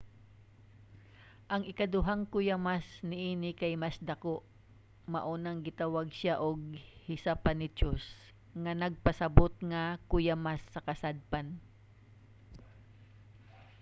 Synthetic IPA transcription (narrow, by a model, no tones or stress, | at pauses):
ʔɐŋɪkad̪ʊɦaŋkʊjamasnɪʔiːnɪkajmasd̪ɐkoʔ | mɐʔuːnaŋɡɪt̪awaɡ̚ʃaʔoɡ̚hɪsapanɪt͡ʃos | ŋanɐɡ̚pɐsɐbot̪̚ŋakʊjamasːɐkɐsad̪̚pan